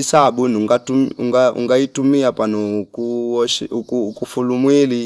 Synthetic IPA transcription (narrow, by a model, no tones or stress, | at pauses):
isaɓunuŋɡatumṵŋɡaṵŋɡaitumiapan̤ɔkuɔʃkukufulumwili